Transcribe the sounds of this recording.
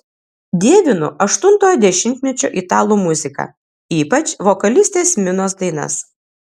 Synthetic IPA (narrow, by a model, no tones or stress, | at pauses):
d̪ʲeːʋʲɪnʊʔɐʃt̪ʊnt̪oːjɛd̪ʲɛʃʲɪnʲt̪ʲmʲɛt͡ʃʲo̰ːʔit̪ɑːlˠuːmʊzʲɪkɐ̰ | iːpɐt͡ʃʋokɐlʲɪsʲt̪ʲeːsmʲɪnoːs̬d̪ɐɪnɐ̰s